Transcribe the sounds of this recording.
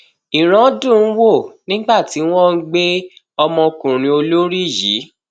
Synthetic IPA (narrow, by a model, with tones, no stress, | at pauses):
i˨ɾ̃ã˨˦dũ˦˨n̩˦wo˦˨nĩ˦ɡ͡ba˦˨ti˨˦w̃ɔ̃˦ɡ͡be˦ | ɔ˧mɔ̃˧kũ˨ɾ̃ĩ˨˧o˧lo˦ɾi˦˨jiː˨˦